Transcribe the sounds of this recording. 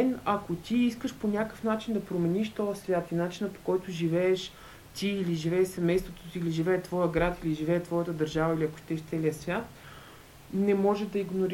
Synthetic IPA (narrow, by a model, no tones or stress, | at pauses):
ɛnɐkot̪iiskəʃponʲakəfn̪at͡ʃind̪ɐpɾomɛniʃt̪ɔjəsvʲjat̪inat͡ʃinəpo̥kɔjt̪ʊʒivɛːʃ | t̪iːliʒivɛːʃsɛmɛjst̪vot̪osiliʒivɛːt̪vɔjəɡɾat̪iliʒivɛːt̪vɔjət̪əd̪əɾʒavəiliɐko̥ʃt̪ɛʃt̪sɛlijəsvʲjat̪̚ | nɛmɔʒɛd̪ɐiɡnoɾ